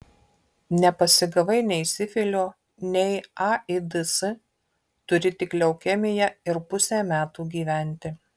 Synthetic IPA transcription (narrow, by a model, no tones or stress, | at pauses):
nʲɛpɐsʲɪɡɐʋɐɪnʲɛɪsʲɪfʲɪlʲoː | nʲɛɪɑɪd̪ɨsɨ | t̪ʊɾʲɪt̪ʲɪklʲɛʊkʲɛmʲɪjɛɪɾpʊsʲæːmʲæːt̪uːɡʲiːʋʲæˑnʲˑt̪ʲɪ